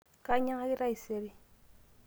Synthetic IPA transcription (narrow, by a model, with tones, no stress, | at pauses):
ka˦ɲa˦ŋa˦kɪ˦ɾa˦i˨se˦ɾi˦